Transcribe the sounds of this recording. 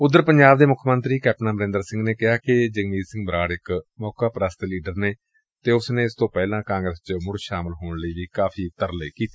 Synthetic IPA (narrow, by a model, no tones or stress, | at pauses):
ʊd̪ːəɾpəɲd͡ʒaːb̚d̪eːmʊkʰmənt̪ɾiːkɛːpnaːbəɾɪ̃ːnd̪əɾsɪ̃ŋɡneːkɪɦaːkɪd͡ʒəɡmiːɾsɪ̃ŋɡbɾaːɽɪkmɔːkaːpɾəst̪eliːɖəɾneː | t̪eːʊsneːɪst̪õːpɛːlãːkãːŋɡɾəst͡ʃmʊɽʃaːmɪlɦoːɳləiːʋiːkaːfʰiːt̪əɾləiːkiːt̪e̥ː